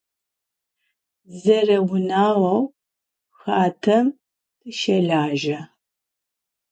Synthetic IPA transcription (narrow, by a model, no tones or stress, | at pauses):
zɐrɐwʊnaːwɐw | xaːtʰɐm | tʰɨʃɐɮaːʒɐ